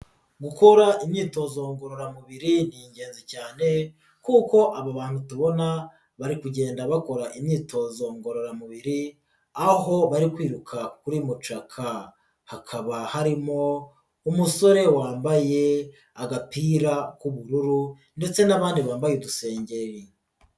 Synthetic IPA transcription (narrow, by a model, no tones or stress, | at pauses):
ɡuko̞ɾaimɲiːto̞zoŋɡo̞ɾoɾamuβiɾiniɲɟe̞ːnzicaːne̞ | kuːko̞ʔaβaβaːn̥hutuβo̞na | βaɾikuɟe̞ːndaβako̞ɾaʔimɲiːtʰo̞zoŋɡo̞ɾo̞ɾamuβiɾi | aɦo̞βaɾikwiːɾukʰakuɾimut͡ʃakʰa | hakʰaβahaɾimo̞ | umuso̞ɾe̞waːmbaje̞ | aɡapiːɾakuβuɾuɾu | nde̞t͡se̞naβaːndiβaːmbajeduse̞ːɲɟe̞ɾi